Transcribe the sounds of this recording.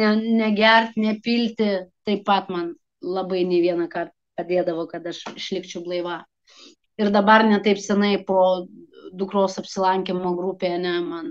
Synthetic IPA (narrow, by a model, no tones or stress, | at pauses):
nʲɛnʲɛɡʲɛrʲt̪ʲnʲɛpʲiːlʲt̪ʲɪt̪ɐɪppɐt̪mɐn | lˠɐbɐɪnʲeːʋʲiɛnɐkɐrt̪ | pɐd̪ʲeːd̪ɐʋoːkɐt̪ɐʃɪʃʲlʲɪkt͡ʃʲɛʊblˠɐɪʋɑː | ɪrd̪ɐbɐrnʲɛt̪ɐɪpsʲɛnɐɪpoːd̪ʊkɾoːsɐpʲsʲɪlˠɐŋʲkʲemoːɡɾupʲeːɐnʲɛmɐn